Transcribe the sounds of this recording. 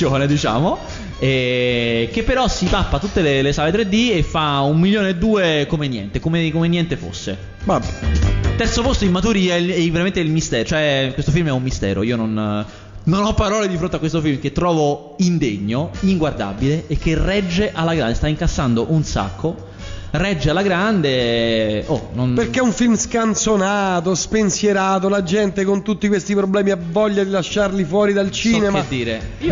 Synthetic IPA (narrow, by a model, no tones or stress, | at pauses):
oned̪it͡ʃa̰ːmo | ɛ | k̟epːeɾɔsit̪apːat̪ut̪ːelelesaːlet̪ɾed̪ːiefːaumːiljoːneed̪ːuːekomenjɛ̰nt̪ekomekomenːjɛnt̪efo̰sːe | babɛt̪ːɛrt̪sopost̪oilmat̪uːɾiɛɛveɾament̪eilmist̪ɛːɾt͡ʃoɛkwest̪ofilmɛumːist̪ɛ̰ːɾo̰iːonon | nonɔpːaɾɔːled̪ifɾont̪eakːwest̪ofilmket̪ːɾɔːvo | ind̪eɲːoiŋɡward̪a̰bileːkːerɛd͡ʒːeʔalːaɡɾand̪est̪aiŋkasːand̪oʔunsa̰kʰːo | rɛd͡ʒːealːaɡɾand̪e | ononperkːeuɱfilmskansonaːt̪ospensjeɾaːt̪olad͡ʒɛnt̪ekont̪ut̪ːikwest̪ipɾoblɛːmiavːɔʎːad̪ilaʃːarlifwɔːɾid̪alt͡ʃiːnemead̪ːiːɾe